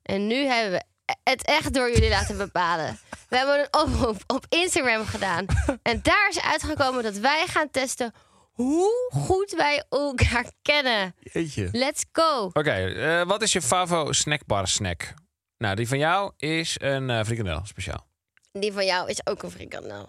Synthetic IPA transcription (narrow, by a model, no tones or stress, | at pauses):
ʔɛnːyɦɛbəʋə | ətɛχt̚dʊːɹjølilaːtəbəpaːlə̰ʋəɦɛbəənənɔprupɔpɪnstaɡrɛmχədaːnʔɛndaːɹɪsœ̰ɥtχəkoːmədɔtʋɛjχaːntɛstə | ɦuχutʋɛjolˠkaːɹkɛnəeəlɛtsɡ̥owokejəʋɔtɪsjəfavosnɛk̚bɔ̰rsnɛ̰k | nadifɔnjawɪsənfrikɔndɛ̰lˠspeʃa̰ːlˠ | difɔnjɔwɪsoːkənfrḭka̰ndɛ̰lˠ